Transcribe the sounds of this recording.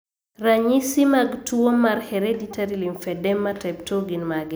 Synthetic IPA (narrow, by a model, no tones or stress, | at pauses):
raɲisimaɡtʰuomaɾhɛɾeditaɾilimfɛdɛmːatɛptʰoɡinmaɡɛ